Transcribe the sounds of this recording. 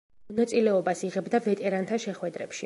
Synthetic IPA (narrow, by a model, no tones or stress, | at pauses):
mɔnat̪sʼilɛɔbasiʁɛbd̪avɛt̪ʼɛɾant̪ʰaʃɛχwɛd̪ɾɛpʃi